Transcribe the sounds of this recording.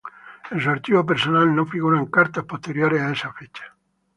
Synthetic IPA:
ensuaɾt͡ʃiβop̬eɾsonalnõfiɣuɾaŋkaɾt̪ahpot̪eɾjoɾesaesafet͡ʃḁ

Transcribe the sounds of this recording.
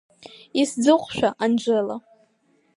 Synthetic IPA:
isd͡zɨqʷʼʃᶣaʔand͡ʒʷəla

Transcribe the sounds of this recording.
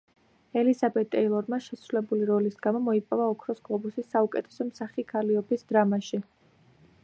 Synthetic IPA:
ɛlizabɛt̪ʼːɛilˠɔɾmaʃɛsɾulɛbuliɾɔlisɡamɔmɔipʼɔvaɔkʰɾɔsɡ̥lˠɔbusisːaukʼɛt̪ʰɛ̥sɔmsaχikʰaliɔbisd̪ɾamaʃi

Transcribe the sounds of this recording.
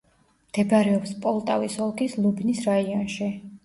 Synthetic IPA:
md̪̥ɛbɾɛɔpspʼɔlˠt̪ʼavisɔlˠkʰislˠubnisɾaiɔnʃi

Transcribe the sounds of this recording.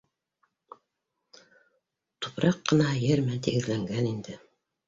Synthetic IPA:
t̪u̥pɾɑqːɤ̆nɑhɑjɘɾmænt̪iɡɘ̆ðlæŋɡænind̪ɘ

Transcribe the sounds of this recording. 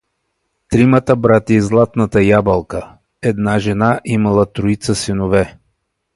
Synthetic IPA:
t̪ɾimət̪əbɾat̪izlˠat̪nət̪əjabɐlˠkə | ɛd̪naʒɛnaʔimɐlˠət̪ɾʊit̪səsinovɛ

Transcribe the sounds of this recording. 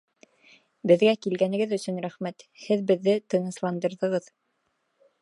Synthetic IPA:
bɘ̆ðɡækilɡænɘ̆ɡɘðɵ̆sɵ̆nɾæχmæt̪hɘðbɘ̆ðːɘt̪ɤ̆nɤ̆slˠɑnd̪ɤ̆ɾðɤ̆ʁɤð

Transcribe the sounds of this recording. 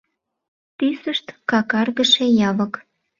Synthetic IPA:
t̪ysəʃt̪kɑkɑrɣə̆ʃejɑβə̆k

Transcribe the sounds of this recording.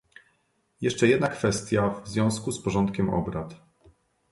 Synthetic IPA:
jɛʂt͡ʂɛjɛd̪nakfɛst̪ʲjavzvjɔ̃w̃skuspɔʐɔnt̪kʲɛmɔ̰bɾat̪

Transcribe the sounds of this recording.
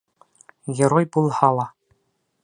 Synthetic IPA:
ɡʲeɾojbulˠhɑlˠɑ

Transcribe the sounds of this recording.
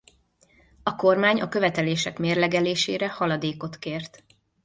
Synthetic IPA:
ɒko̞rmaːɲɒkø̞vɛt̪ɛleːʃɛkmeːrlɛɡɛleːʃeːɾɛhɒlɒd̪eːko̞t̪keːrt̪

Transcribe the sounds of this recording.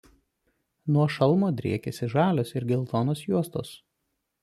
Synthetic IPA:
nuɔʃɐlˠmoːd̪ʲɾʲḭɛkʲɛsʲɪʒɑːlʲoːsɪɾɡʲɛlˠt̪ɔnoːsjuɔst̪o̰ːs

